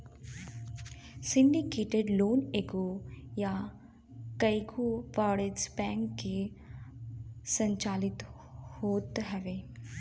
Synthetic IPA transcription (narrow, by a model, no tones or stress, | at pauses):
sɪ̃ɳɖikeːʈeɖloːneːɡoja | kɐjɡuʋaːɽezbɛːŋkːe | sə̃ɲt͡ʃaːlɪt̪ | hoːt̪ɦɛʋeː